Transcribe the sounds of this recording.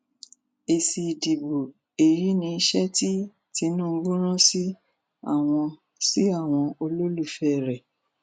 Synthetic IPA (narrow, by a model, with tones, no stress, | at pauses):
e˨si˨di˨bo˨ | e˨ji˨˦nĩ˧i˧ʃɛ˦ti˦ | ti˧nũː˦˧˦ɡ͡bũ˦ɾ̃ɔ̃˦si˦ | a̰˦˨w̃ɔ̃˧ | si˦a˦˨w̃ɔ̃˧o˧lo˦lu˦˨fɛ˦˨ɾɛ˨